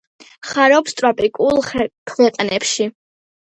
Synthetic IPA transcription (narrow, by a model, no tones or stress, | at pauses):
χaɾɔpst̪ʼɾapʼikʼulˠkʰlɛqʼnɛpʃi